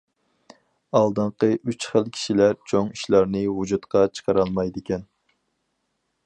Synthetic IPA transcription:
ɑlˠd̪ɨɴqəʔyt͡ʃχəlˠkʲʰi̥ʃilæɾt͡ʃʰoŋiʃlˠɑɾnɨwud͡ʒut̪qɑt͡ʃʰə̥qʰɑɾɑlˠmɑjd̪ɪkʲɛn

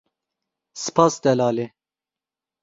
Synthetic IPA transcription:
sɨ̥pʰɑːsd̪ɛlɑːle

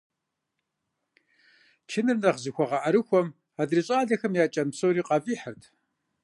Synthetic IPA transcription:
t͡ʃʰɪnɨrnɐʁzɨxʷɔʁɑʔɐɾɨxʷɔm | aːdriɕʼaːɮɐxɨmjaːt͡ʃʼɐmsoːɾiːqɑfʼiːħərtʰ

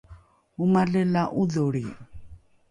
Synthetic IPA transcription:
umaɮɛlaʔuðoɾi

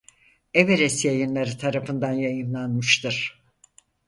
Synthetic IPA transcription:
eveɾɛsjajɯnlˠaɾɯt̪ʰaɾafɯnd̪anjajɯnlˠanmɯʃt̪ɯɾ̥

